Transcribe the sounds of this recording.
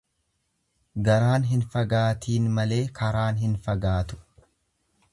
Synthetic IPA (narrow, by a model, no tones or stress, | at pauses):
ɡɐɾaːnɦɪnfɐɡaːt̪iːnmɐle̞ːkɐɾaːnɦɪnfɐɡaːt̪ʊ̥